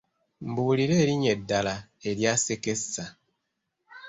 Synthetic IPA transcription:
m̩buːɾiɾeɾiɲedalaeɾjasekesa

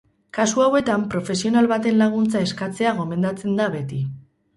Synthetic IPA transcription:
kasuawe̞t̪ampɾo̞fe̞sio̞nalβat̪e̞nlaɣ̞unt͡sae̞skat͡se̞aɣ̞o̞me̞nd̪at͡se̞nd̪aβe̞t̪i

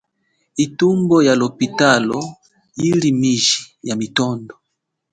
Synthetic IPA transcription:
itumbɔjalopitalɔ | ilimiʒijamitɔndɔ

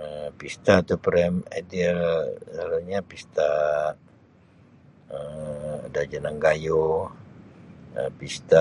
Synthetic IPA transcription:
əpist̪at̪upɾɛmɛdilaluɲapist̪a | əadad͡ʒanaŋɡajo | əpist̪a

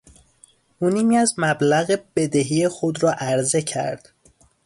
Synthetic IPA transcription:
ʔuːniːmiːæzmæblæɣeb̥e̞d̪eɦiːexod̪ɾɒːʔæɾze̞cʰæ̰ɾd̪̥

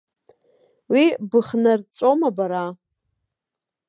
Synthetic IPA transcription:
wibɨχnart͡sʷʼomabaɾa

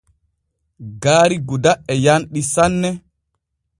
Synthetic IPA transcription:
ɡaːɾiɡudaɛjanɗisanːɛ

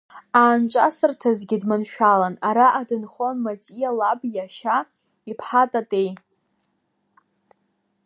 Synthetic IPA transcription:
aːnt͡ʃʷʼasɨrtʰazɡʲɪdmɨnʃᶣalanaɾaʔadɨnχonmatʼijalabjaʃa | ipʰħatʼatʼej

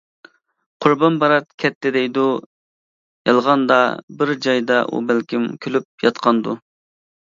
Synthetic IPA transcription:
qʰʊɾbɑnbɑɾɑt̪̚kʲʰɛt̪ʰːɪd̪ɛjd̪u | jɑlˠʁɑnd̪ɑbɪɾd͡ʒɑjd̪ɑʔṵbælkʲimkʲʰølyp̚jɑt̪qʰɑnd̪u

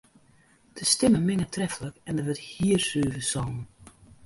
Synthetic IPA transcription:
d̥əstɪməmɪnətʰrɛfələkɛndəʋəthiərsøːvəsɔːnən

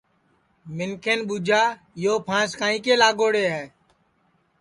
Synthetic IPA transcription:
mɪnkʰenɓuːd͡ʒʱaː | joːpʰãːskaːĩːkeːlaːɡoːɽeːɦɛː

